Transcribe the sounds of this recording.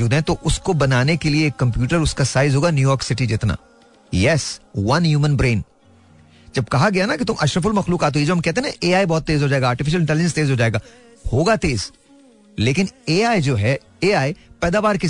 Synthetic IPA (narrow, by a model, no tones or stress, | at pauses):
uːd̪ɦɛ̃t̪oʔʊskobɐnaːnekelieːkːɐ̃mp̬juːʈəɾʊskasaːɪzɦoːɡanjuːjɔːɾksɪʈid͡ʒɪt̪na̰ː | jɛsʋɐnjuːmə̃nbɾẽːn | d͡ʒɐb̚kɐɦaɡɐjanakit̪ʊ̃mʔɐʃɾəf̬ʊlmɐxluːkaːt̪ɦuːied͡ʒoːɦɐmkɛɦt̪eɦeɛ̃ʔeːaːibɔːt̪ːeːzɦoːd͡ʒaːeɡaːɾʈɪfɪʃ̬əlɪ̃ɳʈɛːlɪd͡ʒə̃nst̪eːzɦoːd͡ʒaːeːɡaː | hoːɡat̪eːz | leːkɪneːaːid͡ʒoːɦɛ | eːaːipɛːd̪aːʋaːɾkɪ